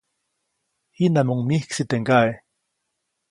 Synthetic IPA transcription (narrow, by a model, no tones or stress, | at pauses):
hinamuŋmihksit̪eŋkae